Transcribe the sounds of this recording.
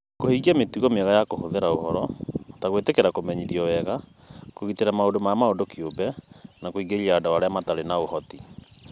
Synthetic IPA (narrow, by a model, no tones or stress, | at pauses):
kohiɡiametuɣɔmeɛɣajakohoðeɾaohɔɾɔtaɣwetekeɾakomɛɲiðiɔwɛɣa | koɣiteɾamaodomamaodokiobɛnakoiɡeliaːdawaɾeamataɾenaohɔti